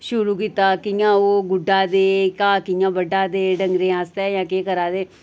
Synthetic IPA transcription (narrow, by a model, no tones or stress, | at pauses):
ʃʊɾuːkit̪aːkɪjãːoːɡʊɖaːd̪eːkaːkɪjãːbəɖaːd̪eːɖəŋɡɾẽːaːst̪eːjãːkeːkəɾaːd̪eː